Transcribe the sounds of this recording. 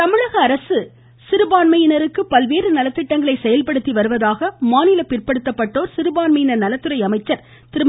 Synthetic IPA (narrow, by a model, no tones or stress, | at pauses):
t̪ɐmɪɻɐɣɐːɾɐsɯ | sɪɾɯbaːnmɐjɪnɐɾɯkːɯpɐlʋeːrɯnɐlɐt̪ːɪʈːɐŋɡɐɭɐɪsɛjɐlpɐɽɯt̪ːiʋɐɾɯʋɐðaːɣɐmaːnɪlɐpɪrpɐɽɯt̪ːɐpːɐʈːoːɾsɪɾɯbaːnmɐjɪnɐɾnɐlɐt̪ːɯɾɐɪɐmɐɪt͡ʃːɐɾ | t̪ɪɾɯm